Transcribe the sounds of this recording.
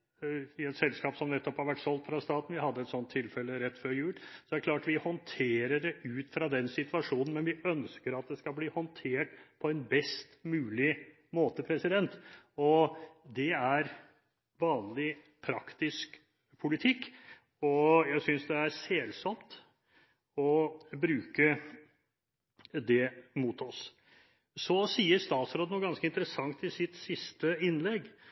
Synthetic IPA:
ɪɛt̪sɛlskɑːpsɔmnɛt̪ːɔphɑɾʋæʈːsɔlt̪fɾɑst̪ɑːt̪n̩ʋɪhɑd̪ːəɛt̪sɔnt̪ʰːɪlfɛlːəɾɛt̪ːfœɾjʉːlsɔd̪æɾklɑːʈʋɪhɔnt̪ʰeːɾəɖɛʔʉːt̪fɾɑd̪ɛnsɪt̪ʋɑʂuːnn̩mɛnʋɪœnskəɾɑt̪̚d̪ɛskɑbliːhɔnt̪ʰeːʈpʰɔɛnbɛst̪mʉːlɪ | moːt̪əpʰɾɛsɪd̪ɛnt̪ɔd̪ɛæɾ | ʋɑːnlɪ | pʰɾɑkt̪ɪsk | pʰʊlɪt̪ʰɪkː | ɔjæɪsʏnsd̪ɛæɾseːlsɔmt̪ | ɔbɾʉːkə | d̪ɛmut̪ʰɔs | sɔsiːəɾst̪ɑːt̪sɾoːd̪nuːɡɑnskəɪnt̪əɾəsɑŋt̪ɪsɪt̪sɪst̪əɪnlɛɡ

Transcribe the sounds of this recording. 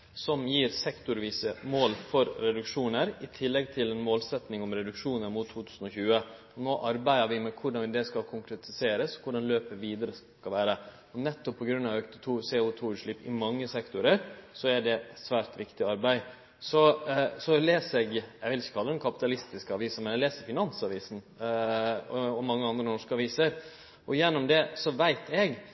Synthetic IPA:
sɔmjiːɾsɛkt̪ʊɾʋiːsəmoːlfɔɾɾɛd̪ʉkʂuːnəɾɪt̪ʰɪlːɛɡt̪ʰɪlɛnmoːlsɛt̪nɪŋɔmɾɛd̪ʉkʂuːnəɾmut̪ʰːuːt̪ʰʉːsən̩ɔçʉːə | ɔnoːʔɑɾbæɪəɾʋɪmɛkʰʊɖɑnʋɪd̪ɛskɑkʰʊŋkɾɛt̪ʰɪseːɾəsɔ̥kʰʊɖɑnløːpəɾʋiːd̪əɾəs | kɑʋæːɾə | ɔnɛt̪ːɔpʰːɔɡɾʉnːɑʋœkt̪ət̪ʰuːseːʊt̪ʰuːʉːʂɭɪpːɪ̰mɑŋːəsɛkt̪ʊɾəɾsɔæɖɛsʋæːɾt̪ʋɪkt̪ɪɑɾbæɪ | sɔsɔleːsɛɡɛʋɪlɪçəkʰɑləd̪ɛnkʰɑpɪt̪ɑlɪst̪ɪskəɑʋiːsənmɛnɛleːsəɾfɪnɑnsɑʋiːsn̩ | ɔmɑŋːəɑnd̪ɾənɔʂkəɑʋiːsəɾ | ʔɔjɛnːʊmd̪ɛsɔʋæɪt̪ʰɛɡ

